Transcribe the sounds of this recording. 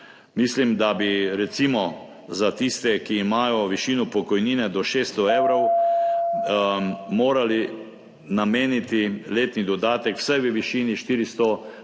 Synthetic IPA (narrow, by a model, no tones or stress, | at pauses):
mislimd̪abiɾɛt̪simɔ | zat̪ist̪ɛkiːmaːjɔʋiʃiːnupɔkɔjniːnɛd̪ɔʃeːst̪ɔeːwɾɔw | moːɾali | nameːnit̪ileːt̪nid̪ɔd̪aːt̪ɛkw̥sajʋəʋiʃiːniʃt̪iːɾist̪ɔ